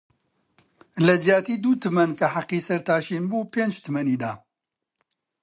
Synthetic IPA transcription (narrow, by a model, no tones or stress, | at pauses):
lɐd͡ʒjaːt̪iːd̪uːt̪ʰɨmɐnkɐħaqːiːsɐɾt̪aːʃiːnbuːpeːnd͡ʒt̪ʰɨmɐniːd̪aː